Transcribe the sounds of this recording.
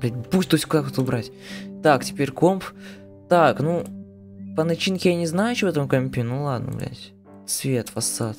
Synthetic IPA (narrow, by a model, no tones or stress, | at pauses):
blʲætʲbusʲt̪osʲk̪akot̪ʊbɾatʲ | t̪aktʲɪ̥pʲeɾʲkomp | t̪aknu | pənɐt͡ɕinkʲɪjanʲɪznajʊt͡ɕɪbɛt̪əmʊkɐmʲpʲɪnulˠad̪nə̰blʲæ̰tʲ | svʲe̞t̪vɐsːat̪